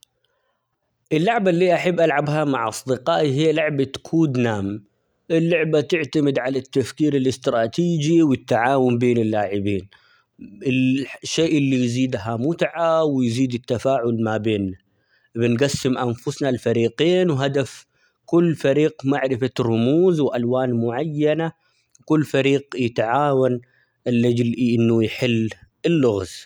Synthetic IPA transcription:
ʔɪlːʊʕbalːiːʔaħabːʔalʕabɦamaʕʔɑ̰sˤd̪ɪqɑːʔiɦijːalʊʕbakʰuːd̪naːm | ʔɪlːʊʕbat̪ɪʕt̪amɪd̪ʕalat̪ːafkiːɾɪlɪst̪ɾˤɑːt̪iːd͡ʒiwɪt̪ːaʕaːwʊmbeːnɪlːaːʕɪbiːn | ɪʃːeːʔɪlːijziːd̪ɦamʊt̪ʕawjziːd̪ɪt̪ːafaːʕʊlmabeːnːa | bɪnɡasːɪmʔanfʊsnalfaɾiːqiːnwɦad̪af | kʊlːfaɾiːɡmaʕɾɪfarˤʊmuːzwʔalwaːnmʊʕajːana | kʊlːfaɾiːɡjɪt̪ʕaːwan | ɪlːad͡ʒlʔɪnːujħɪlː | ɪlːʊɣz

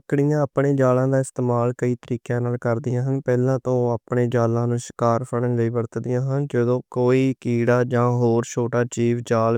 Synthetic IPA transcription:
kɽɪjãːəpɳeːd͡ʒaːlãːd̪aːɪst̪eːmaːlkəiːt̪əɾiːkjãːnaːlkəɾd̪ɪjãːɦənpɛːlãːt̪õːaːpɳeːd͡ʒaːlãːnũːʃɪ̥kaːɾpʰəɽənd͡ʒəiːʋəɾt̪d̪ɪjãːɦənd͡ʒəd̪õːkoːiːkiːɽaːd͡ʒãːɦoːɾt͡ʃʰoːʈaːt͡ʃiːʋd͡ʒaːl

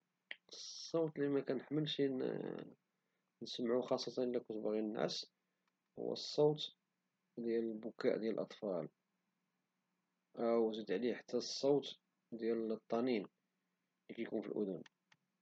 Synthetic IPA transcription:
sˤːowt̪limækænəħməlʃi | nəsmʕuxɑsˤːɑt̪ɑnʔəlːækʊt̪bɣinːæ̰s | hʊ̰wːæ̰sˤːowt̪ | d̪jæləlbʊkæ̰ʔd̪jælʔɑt̪ˤfɑl | ʔəwzəd̪ʕliħḁt̪ːæsˤːowt̪ | d̪jælt̪ˤːɑnin | likæjkunfḭlʔʊ̰d̪ʊn

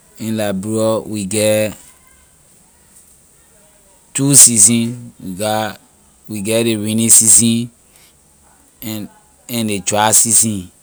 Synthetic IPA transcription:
ĩnlabɹiɔwiɡɛ | tusizĩnwiɡa | wiɡɛdeɹĩnĩsizĩn | ɛ̃ndet͡ʃasisĩn

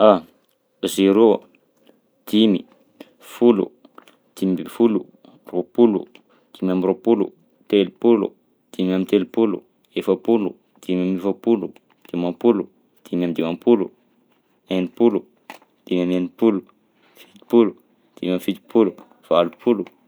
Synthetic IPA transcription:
a | ziɾo | d̪̥imḭ | fulṵ | d̪̥imibifulṵ | ropulṵ | d̪̥imamiropulṵ | t̪elipulṵ | d̪̥imamit̪elipulṵ | efəpulu | d̪̥imamefəpulu | d̪̥imampulu | d̪̥imamid̪imampulṵ | enipulu | d̪̥imamenipulu | fi̥t̪i̥pulu | d̪̥imamifid̪i̥pulu | v̥alupʰulu

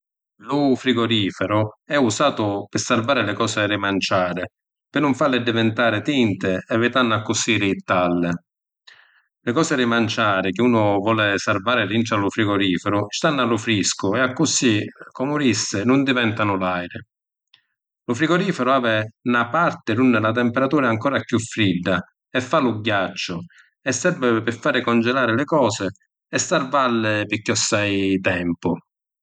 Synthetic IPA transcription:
lʊfɾiɡɔɾiːfɛɾʊɛusaːt̪ʊpɪsarvaːɾɪlɪkɔːsɪrɪmant͡ʃaːɾɪ | pɪnːʊɱfalːɪd̪ivɪnt̪aːɾɪt̪int̪ɪɛvɪt̪anːakːʊsiːɾɪːt̪ːalːɪ | lɪkɔːsɪɾɪmant͡ʃaːɾɪk̟ɪuːnʊvɔːlɪsarvaːɾɪlinʈalʊfɾiɡɔɾiːfɛɾʊst̪anːalʊfɾiskʊɛakːʊsikɔmʊɾisːɪnʊnd̪ivɛnt̪anʊlajɾɪ | lʊfɾiɡɔɾiːfɛɾʊaːvɪnapart̪ɪɾunːɪlat̪̬ɛmpɛɾat̪uːɾaŋkɔːɾapjufɾid̪ːa | ɛfːalʊɟːat͡ʃːʊ | ɛsːɛɾvɪpɪfːaːɾɪkɔnd͡ʒɛlaːɾɪlɪkɔːsɪ | ɛsːarvalːɪpɪkːiɔsːajt̪ɛmpʊ

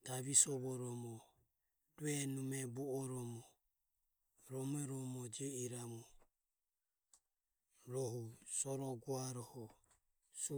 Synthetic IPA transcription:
d̪̥aβisɔβɔɾɔmɔ | duɛnumɛbuɔɾɔmɔ | ɾɔmɛɾɔmɔd͡ʒɛiɾamu | ɾɔɦusɔɾɔɡuaɾɔhɔ | s

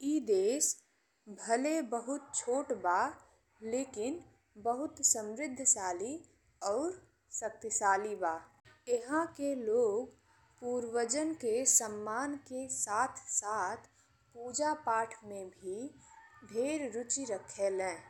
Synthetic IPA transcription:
iːd̪eːs | bʱəlebəɦʊt̪̚t͡ʃʰoːʈbaː | leːkɪn | bəɦʊt̪sə̃mɾɪd̪ʱːsaːli | ɔːɾ | sək̚t̪əsaːlibaː | ɪɦãkeloːɡ | puːɾwəd͡ʒənkesəmːaːnkesaːt̪ʰsaːt̪ʰ | puːd͡ʒapaːʈʰmẽbʱi | bʱeːɾɾʊt͡ʃiɾəkʰːelɛ̃ː

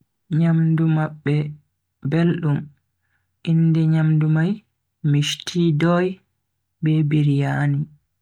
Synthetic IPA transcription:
ɲamdumaɓːɛ | belɗum | ʔindɛɲamdumaj | miʃtʰiːdɔj | bɛbiɾijaːni

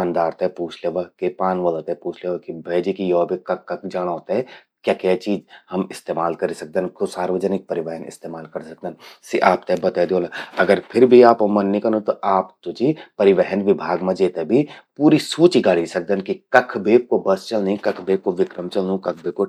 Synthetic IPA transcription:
aːnd̪aːɾt̪epuːt͡ʃʰleʋakepaːnʋəloːt̪apuːt͡ʃʰleːʋakibʱɐːd͡ʒikijoːbʱekɐkːɐkd͡ʒaːɽ̃aɦoːt̪aɦɛ | kjaːkɛt͡ʃiːd͡ʒhɐmɪst̪eːmaːlkɐɾisɐk̚d̪ənkosaːɾʋəd͡ʒənɪk̚pɐɾɪʋɛɦənɪ̰st̪eːmaːlkɐɾsɐk̚d̪ənsiʔaːp̚t̪ebɐt̪ad̪oːlaɐɡəɾpʰɪɾbʱiaːpomɐnːĩkɐɾnot̪oʔaːpt̪ʊd͡ʒipɐɾɪʋɛɦənʋɪbʱaːɡmãd͡ʒeːt̪ebʱipuːɾisuːt͡ʃiɡaːɽ̤isɐk̚d̪ənkikɐkʰbʱeːk̚kobɐst͡ʃɐlnĩkɐkʰbeːk̚koʋɪkɾəmt͡ʃɐlnũkɐk̚ʰbeːko

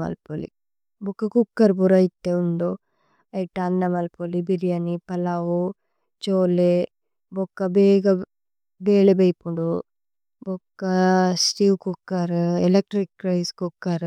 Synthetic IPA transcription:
mɐ̰lpolḭ | bɔkːɐkukːɐɾbuɾɐjt̪ːeuɳɖo | ɐjʈaːnd̪ɐmɐlpolibiɾijɐnipɐlawo | t͡ʃoːle | bɔkːɐbeːɡɐ | beːlebɐjpuɖo | bɔkːɐsʈiwkukːɐɾelek̚ʈɾikɾɐjskukːɐɾ

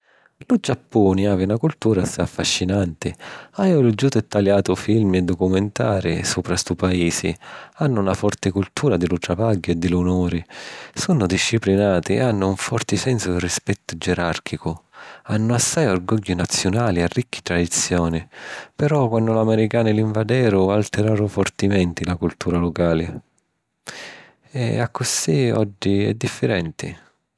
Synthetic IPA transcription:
lud͡ʒapːuːniaːviunakult̪uːɾasajafːaʃːinant̪ɪajɔlud͡ʒut̪ɛt̪ːaljaːt̪ʊfilmɛd̪ːɔkumɛnt̪aːɾisuːpɾast̪upaiːsḭanːʊunafɔrt̪ɪkult̪ʰuːɾad̪ɪlut̪ɾavaɡːʊɛd̪ːɪlunɔːɾisunːʊd̪iʃːiplinaːt̪iɛ̰anːʊuɱfɔrt̪ɪsɛnsʊd̪ɪrispɛt̪ːʊd͡ʒɛɾark̟ʰikʊanːʊasːajorɡɔʎːunat̪sːjʊnaːliarːikʰːi̥t̪ɾad̪it̪sːjɔːnipɛɾɔkwanːʊlamɛɾikaːnɪliɱvad̪ɛːɾʊalt̪ɪɾaːɾʊfɔrt̪imɛnt̪ilakult̪uːɾalʊkaːlɪ | ɛ̰a̰kʰːʊsiɔ̰d͡ʒːiɛ̰d̪ːifːɪɾɛnt̪ʰḭ

